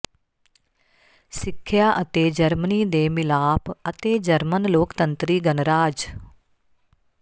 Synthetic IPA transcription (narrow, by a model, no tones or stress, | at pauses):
sɪkʰːjaːʔət̪eːd͡ʒəɾməniːd̪eːmɪlaːpət̪eːd͡ʒəɾmənloːkt̪ə̃nt̪ɾiːɡənɾaːd͡ʒ